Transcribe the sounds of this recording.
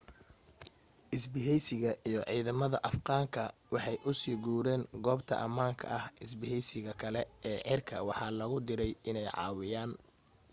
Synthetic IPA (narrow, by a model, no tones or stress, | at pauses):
ʔɪsbɪɦɛjsɪɣɐʔijɞʕiːðɐmɐðɐʔɐfqɑːŋkʰɐwɑħɑjʔʊsiːɡuːɾɛːŋɡɔːbt̪ʰɐ̰ʔɐmaːŋkʰɐ̰ʔɐhʔɪsbɪɦɛjsɪɣɐkʰɐlɛɛːʕɪrkʰɐ̰wɑħɑːlɐɣʊd̪ɪɾɛjɪnɛjʕɑ̰ːwɪjaːn